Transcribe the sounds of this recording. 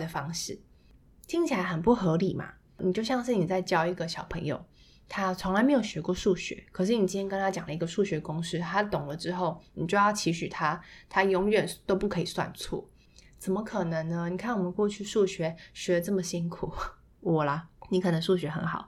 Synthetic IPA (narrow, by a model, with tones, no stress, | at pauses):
d̪ə˩fɑ˥ŋʂɻ̩˥˩ | t̪ʰi˧˥ŋt͡ɕʰi˨˩la˧˦ɪxə˨˩npu˥˩xɤ˧˥li˨˩ma̰˨˦ | ni˨˩t͡ɕjo˥˧ʊɕjɑ˥˧ŋʂ̬ɻ̩˥˩ni˨˩t͡sa˥˩ɪt͡ɕjɑ˥ʊi˧˥ɡə˨ɕjɑ˨˩ʊpʰə˧˥ŋjo̰˨˩ʊ | t̪ʰa˥t͡sʰʊ˧˥ŋla˧ɪme˧˥ɪjo˨˩ʊɕɥɛ˧˥kwɔ˥˧ʂu˥˩ɕɥɛ̰˧˥˦kʰɤ˨˩ʂ̬ɻ̩˥˩ni˨˩t͡ɕi˥nʰjɛ˥kə˥nʰa˥t͡ɕjɑ˨˩lə˦i˧˥ɡə˧ʂu˥˩ɕɥɛ˧˥kʊ˥ŋʂɻ̩˥˩t̪ʰa˥t̪ʊ˨˩ŋlə˦ʈ͡ʂɻ̩˥xo˥˩ʊni˨˩t͡ɕjo˥˧ʊjɑ˥˩ʊt͡ɕʰi˧˥ɕy˨˩t̪ʰa˥t̪ʰa˥jʊ˧˥ŋɥɛ˨˩nt̪o˥ʊpu˥˩kʰɤ˧˥i˨˩swa̰˥˧nt͡sʰwɔ̰˥˩ | t͡sə˨˩nmə˧˦kʰɤ˨˩nɤ˧˦ŋnə˧ni˨kʰa˥˩nwɔ˨˩mə˨˦nkwɔ˥˧t͡ɕʰy˥˧ʂu˥˩ɕɥɛ˧˥ɕɥɛ˧˥d̪ə˧ʈ͡ʂɤ˥˩mə˩ɕi˥ŋkʰu˨˩˦ | wɔ˨˩lɐ˦ni˧˥kʰɤ˨˩nə˧˥ŋʂu˥˩ɕɥɛ˧˥xə̰˧˥nxɑ̰˨˩ʊ